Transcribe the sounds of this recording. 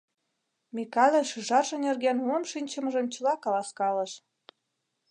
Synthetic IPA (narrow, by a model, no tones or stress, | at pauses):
mʲikɑlʲĕʃyʒɑrʒə̆nerɣenunʃinʲt͡ɕə̆mɤ̆ʒə̆mt͡ɕə̆lɑkɑlɑskɑlɤ̆ʃ